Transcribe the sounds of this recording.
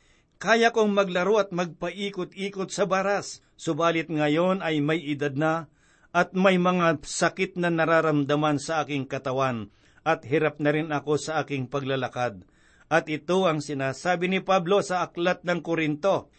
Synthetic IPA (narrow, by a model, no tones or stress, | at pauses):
kaːjakoŋmɐɡlɐɾoɐt̪̚mɐɡ̚pɐʔiːkot̪̚iːkot̪̚sɐbaːɾasː | ʊbaːlɪt̪̚ŋɐjo̞nɐjmɐjɪd̪ad̪̚nɐ | ʔɐt̪̚mɐjmɐŋasɐkɪt̪̚nɐnɐɾaːɾɐmd̪ɐmansɐʔaːkɪŋkɐt̪ɐwan | ʔɐt̪̚hɪɾap̚nɐɾɪnɐko̞sɐʔaːkɪŋpɐɡ̚lɐlɐkad̪̚ | ʔɐt̪̚ɪt̪oɐŋsɪnaːsaːbɪnɪpablo̞sɐʔɐklat̪̚nɐŋkoɾɪnt̪o̞